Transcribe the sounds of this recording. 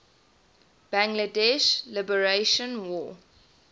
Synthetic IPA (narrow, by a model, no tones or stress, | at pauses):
b̥æ̃ŋɡlədɛʃlɪbəɹeʃə̃nwɔː